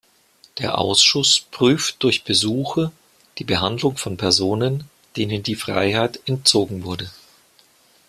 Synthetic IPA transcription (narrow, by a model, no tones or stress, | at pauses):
d̥eːɐʔa̰ʊsʃʊspʁ̥yːftd̥ʊɐçb̥əzuːxɐ | d̥iːbəɦandlʊŋfɔnpʰɛɐzoːnən | d̥eːnəndiːfʁ̥a̰ɪhaɪtɛnt̚t͡soːɡŋ̩vʊɐdə